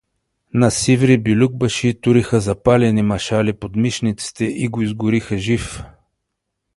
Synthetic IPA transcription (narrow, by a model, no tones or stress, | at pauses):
nɐsivɾibilʲuɡ̚bɐʃit̪uɾixəzɐpalɛnimɐʃalipod̪miʃnit̪si̥t̪ɛʔiɡoizɡʊɾixəʒif